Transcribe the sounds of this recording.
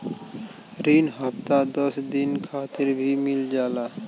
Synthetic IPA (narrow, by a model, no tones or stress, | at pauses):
ɾinɦəpt̪ad̪əsd̪inkʰaːt̪ɪɾbʱimɪld͡ʒaːla